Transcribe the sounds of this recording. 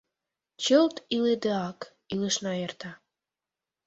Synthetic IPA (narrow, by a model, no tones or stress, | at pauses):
t͡ɕəlt̪iled̪eɑk | iləʃnɑert̪ɑ